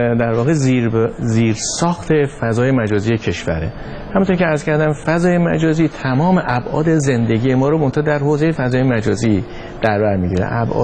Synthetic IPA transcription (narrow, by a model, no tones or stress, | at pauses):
d̪æɾvɒːɣezziːɾsɒːxt̪ʰe̞fæzɒːje̞mæd͡ʒɒːziːjecʰe̞ʃvæ̰ɾḛ | hæmunt̪oɾcʰʲeæɾz̥cʰæɾd̪æmfæzɒːje̞mæ̰d͡ʒɒːziːt̪ʰæmɒːme̞ʔæbʔɒ̰ːd̪eze̞nd̪e̞ɟiːje̞mɒːɾomont̪ʰɒːd̪æɾhoːzejefæzɒːjemæd͡ʒɒːzi | d̪̥æɾbæɾmiɟiɾḛʔæbʔɒ̰ː